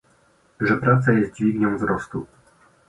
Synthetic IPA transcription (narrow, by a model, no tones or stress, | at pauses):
ʐɛpɾat̪sajɛst̪̚d͡ʑvʲiɡɲɔ̃w̃vzɾɔst̪u